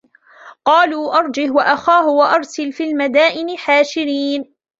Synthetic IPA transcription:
qɑːluːʔɑɾˤd͡ʒɪhwaʔaxaːɦʊwaʔɑɾˤsalfiːlmad̪aːʔɪnɪħaːʃɪɾiːn

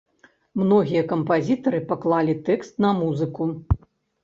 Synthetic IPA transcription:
mnɔɣʲijɐkɐmpazʲit̪ɐɾɨpaklˠalʲit̪ɛkst̪nɐmuzɨku

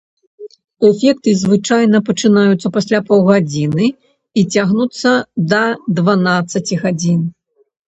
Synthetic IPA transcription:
ɛfʲɛk̚t̪ɨzvɨt͡ʂajnɐpɐt͡ʂɨnajut̪sːɐpasʲlʲapɔwɣad͡zʲinɨ | it͡sʲaɣnut̪sːɐd̪ɐd̪vanat̪sːɐt͡sʲiɣad͡zʲin

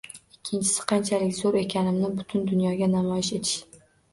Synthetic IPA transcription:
ɪkʲʰːɪnt͡ʃʰɪ̥sɪ̥qʰɑnt͡ʃʰalɪkʲzoɾe̞kʲʰanɪmnɪbʊt̪ʰʊnd̪ʊnjɒɡʲanamɒjɪʃe̞t̪ʰɪ̥ʃ

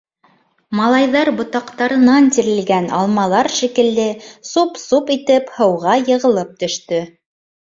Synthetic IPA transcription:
mɑlˠɑjðɑɾbŏt̪ɑqt̪ɑɾɤ̆nɑnt̪iɾɘ̆lɡænɑ̰lˠmɑlˠɑɾʃikɘ̆ld̪ɘsupsupit̪ɘphɤ̆wʁɑjɤ̆ʁɤ̆lˠɤp̚t̪ɵ̆ʃt̪ɵ

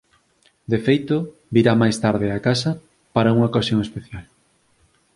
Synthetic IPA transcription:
d̪efejt̪o | biɾamajst̪aɾðɪakasɐ | paɾauŋaokasjoŋespeθjal

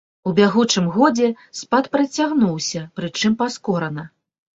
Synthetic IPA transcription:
ubʲaɣut͡ʂɨmɣɔd͡zʲɛ | spat̪pɾɐt͡sʲaɣnuwsʲɐpɾɨt͡ʂɨmpaskɔɾɐnɐ

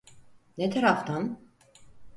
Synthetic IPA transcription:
net̪ʰaɾaft̪ʰan

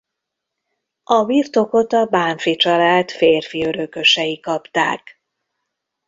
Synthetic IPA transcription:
ʔɒbirt̪o̞ko̞t̪ɒbaːɱfit͡ʃɒlaːt̪feːrfiøɾøkø̞ʃɛjikɒpt̪a̰ːk

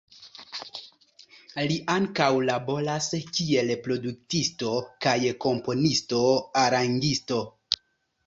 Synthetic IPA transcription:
liʔaŋkawlabo̞ɾaskie̞lpɾo̞duk̚tisto̞kajko̞mpo̞nisto̞aɾaŋɡisto̞

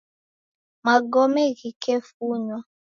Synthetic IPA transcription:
maɡɔmɛɣikefuɲwa

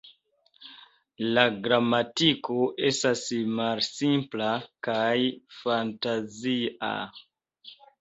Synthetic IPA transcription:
laɡɾamatikoʔe̞stasmalsimplakajfantazia̰

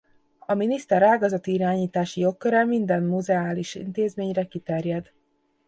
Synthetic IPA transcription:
ɒminist̪ɛɾaːɡɒzɒt̪iiɾaːɲiːt̪aːʃijo̞kːøɾɛmind̪ɛmːuzɛaːliʃḭnt̪eːzmeːɲrɛkit̪ɛrjɛd̪

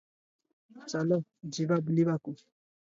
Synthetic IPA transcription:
t͡ʃalɔd͡ʒibabuliβakui

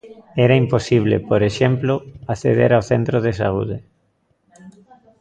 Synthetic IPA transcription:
ɛɾaimposiβ̞lḛpoɾeʃemploaθḛðḛɾawθent̪ɾoðesa̰uðe

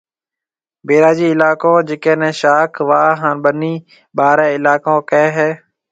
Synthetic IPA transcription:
beːɾaːd͡ʒiːɪlaːkõːd͡ʒɪkẽːnɛ̃ːʃaːkʰʋaːɦaːnɓəniː | ɓaːɾɛ̃ːɪlaːkõːkɛeːɦɛː

